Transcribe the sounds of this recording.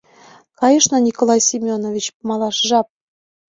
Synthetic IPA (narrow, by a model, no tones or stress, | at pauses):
kɑjɤʃnɤ̆nʲikolˠɑjsʲimʲonovʲit͡ɕpmɑlˠɑʃʒɑp̚